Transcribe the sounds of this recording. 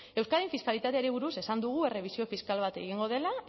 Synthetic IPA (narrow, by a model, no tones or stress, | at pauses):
e̞wskaðiɱfiskalit̪at̪eaɾiβ̞uɾuse̞sand̪uɣ̞ue̞re̞β̞isio̞fiskalβ̞at̪e̞̰ɣiŋɡo̞ð̞e̞la